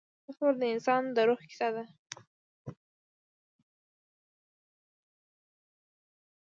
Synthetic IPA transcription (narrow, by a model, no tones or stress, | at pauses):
ətold̪əɪnsɑnd̪əɾoxkɪ̥sad̪a